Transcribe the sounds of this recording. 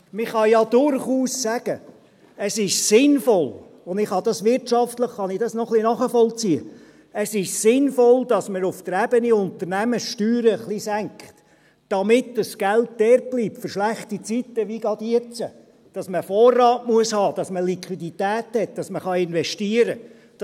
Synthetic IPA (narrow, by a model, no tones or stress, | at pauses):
mɪχɑjɑdʊɾχuːssæɡ̥ə | əsɪʃsɪnfɔl | ʊnd̪ɪχhɑd̥̪ɑsʋɪɾtʃɑft̪ləχːɑnɪdɑsnɔχlinɑχəfɔlt͡siə̰ | əsɪʃsɪnfɔldɑsməɾʊfd̥əɾæbəniʊnt̪ərnæməsʃtyːɾəχlisæŋkχt | d̥ɑmɪtdəsɡ̥ælt̚d̥ɛːrb̥liːpfʏɾʃlæχtit͡sitːəʋiɡɑd̥̪iət͡sə | d̥ɑsməfɔːrːɑːtmuəshɑːd̥ɑsməlikχʋiditæːthɛt̚d̥ɑsməχɑɪnvɛʃtiəɾə